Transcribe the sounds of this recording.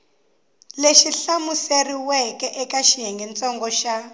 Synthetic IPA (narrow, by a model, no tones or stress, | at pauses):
leʃiɬamuseriwɛkɛʔɛkaʃijɛŋɡɛnt͡sɔŋɡɔʃa